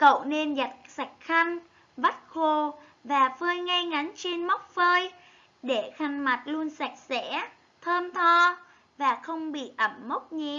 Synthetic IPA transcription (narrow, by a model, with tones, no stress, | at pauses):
kə̰˧˨wne˧nza˨˩t̚sa˨˩k̟̚xa˧jŋ̟ | va˦˥t̚xo˨˩ | vaː˨˩fəː˧jŋa˧jŋa˨˦ŋt͡ɕi˧nma˦˥wk͡p̚fəː˧j | ɗe˧˩xa˧˩jŋma˨˩t̚lu˧ənsa˨˩k̚sɛ̰˧˥ | t̪ʰəː˧mt̪ʰɔ˧ | vaː˨˩xə˧wŋ͡mɓḭ˧˨ʔə˧˩mːə˦˥k͡p̚ɲi˧˨